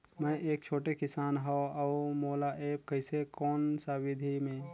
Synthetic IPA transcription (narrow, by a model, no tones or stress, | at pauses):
mə̃ʔeːk̚t͡ʃʰoːʈekɪsaːnɦɔaumolaʔeːp̚kəɪsekɔːnsawid̪ʱimẽ